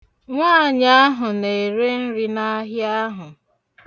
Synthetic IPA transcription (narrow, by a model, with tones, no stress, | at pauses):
ŋʷaː˦˨ɲa˦ɦʊ˨ne˨ɾe˦n̩˦ɾi˦na˦ɦja˦ɦʊ˨